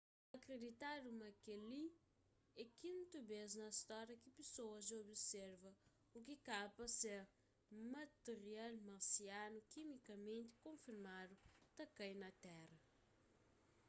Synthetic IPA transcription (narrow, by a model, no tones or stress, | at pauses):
ɐkɾed̪it̪ad̪umɐkelĩ | ɛkĩnt̪ubeznɐst̪ɔɾɐkipesoɐzobisɛɾvɐ | ukikapɐseɾ | mɐt̪eɾialmɐɾsianukimikɐmẽnt̪i̥kõfiɾmad̪ut̪ɐkɐ̃jnɐt̪ɛrɐ